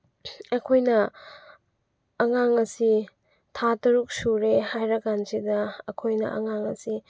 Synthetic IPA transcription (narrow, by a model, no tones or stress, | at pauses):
ɐkʰojnɐ | ɐŋaŋɐsi | tʰatɐɾuk̚suɾehajɾɐkansidɐɐkʰojnɐ̰ʔɐ̰ŋaŋɐ̰si